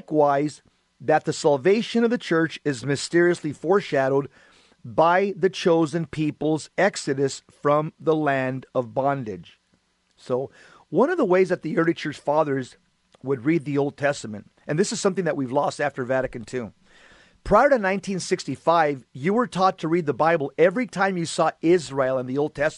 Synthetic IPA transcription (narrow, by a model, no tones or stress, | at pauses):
kwaɪz | ðɨt̪̚ðɨsælˠveɪʃɨ̃ñʌvðɨt͡ʃʰɜ˞t͡ʃɨzmɨstɪɹiɨslifɔɹʃæɾoʊd̚ | baɪðɨt͡ʃʰoʊzɨ̃npʰipl̩ˠzɛksɨɾɨsfɹʌ̃mðəlæ̃ndʌvbɑ̃ndɪ̰d̥ʒ̥ | soʊ | wʌ̃nʌvðəweɪzðɨt̪̚ðiɜ˞lˠit͡ʃʰə˞t͡ʃfɑðə˞z | wəd̚ɹid̪̚ðioʊlˠd̚tʰɛstəmɨ̰̃nt̚ | ɨ̃nðɪsɨz̥sʌ̃mθɪ̃ŋðɨʔ̚wivlɔstæftə˞væɾɨkɨ̃ntʰʉ | pʰɹ̥aɪə˞ɾɨnãɪ̃ntʰĩnsɪkstifaɪvjɨwə˞tʰɔtʰɨɹid̪̚ðəbaɪbl̩ˠɛvɹitʰãɪ̃mjɨsɔɪzɹeɪlˠə̃nðioʊlˠd̚tʰɛst